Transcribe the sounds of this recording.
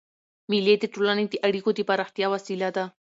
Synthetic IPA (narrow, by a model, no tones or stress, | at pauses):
miled̪eʈolaned̪eʔaɽikod̪epaɾaxt̪jawasilad̪a